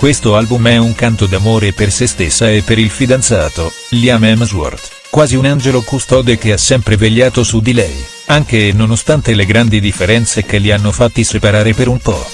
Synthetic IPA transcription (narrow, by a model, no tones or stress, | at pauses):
kwest̪oalbumɛuŋkant̪od̪amoːɾepersest̪esːaepːeɾilfid̪ant̪saːt̪o | ljamɛmzwɔ̰rt̪ | kwaːziunand͡ʒelokust̪ɔːd̪ek̟easːɛmpɾeveʎːaːt̪osud̪ilɛj | aŋk̟enonost̪ant̪eleɡɾand̪id̪ifːeɾɛnt̪sekelːianːofat̪ːisepaɾaːɾepeɾumpɔ̰